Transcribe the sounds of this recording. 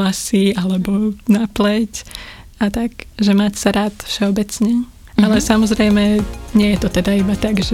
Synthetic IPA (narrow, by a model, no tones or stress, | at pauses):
asialɛbɔnaplɛcat̪akʒɛmacsaɾaːt̪fʃɛɔbɛt͡sɲɛ | alɛsamɔzɾɛjmɛɲɪɛjɛt̪ɔt̪ɛd̪aibat̪aɡʒɛ